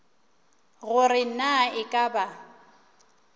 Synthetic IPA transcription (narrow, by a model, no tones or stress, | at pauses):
ɣʊrɪn̩naɪkʼaba